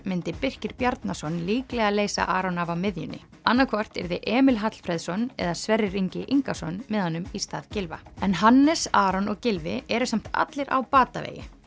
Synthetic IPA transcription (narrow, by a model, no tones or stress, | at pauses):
mɪnt̪ɪpɪr̥cɪɾpjaɾt̪nasɔnliːklɛɣaðleːjsa̰ʔaːɾɔnavawmɪðjʏ̰nːɪ̰ | anːakʰvɔr̥t̪ɛ̰ɾðɪʔɛːmɪlɦat̪l̥fɾɛðsɔnɛ̰ðasvɛrːɪriɲcɪʔiŋkasɔnmɛðhanːʏmist̪aːðcɪlva̰ɛnɦanːɛsaːɾɔnɔɣcɪlvɪɛɾʏsam̥t̪a̰t̪lɪɾʔa̰wpaːt̪avḛːjɪ̰